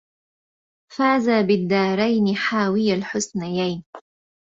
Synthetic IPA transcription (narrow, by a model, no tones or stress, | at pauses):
faːzaːbɪd̪ːɑːɾˤajnɪħaːwɪjalħʊsnajajn